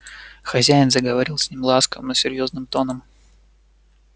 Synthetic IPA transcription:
xɐzʲæɪnzəɡəvɐɾʲilˠsʲnʲimlˠaskəvəməsʲɪɾʲjo̞znɨmt̪o̞nəm

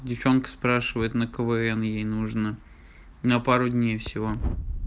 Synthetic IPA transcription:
dʲɪft͡ɕo̞nkə̥spɾaʂɨvəjɪt̪nəkəvɛɛnjejnuʐnə | nəpaɾʊdʲnʲejfsʲɪvo

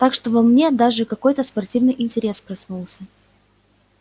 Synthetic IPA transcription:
t̪akʂt̪o̞vɐmnʲe̞d̪aʐɨkɐko̞jt̪əspɐrtʲivnɨjʔɪnʲtʲɪɾʲe̞spɾɐsnulˠsʲə

